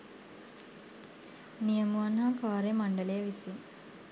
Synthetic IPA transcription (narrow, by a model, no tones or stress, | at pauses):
nijəmuanɦakaːɾemaɳɖəlejəʋisi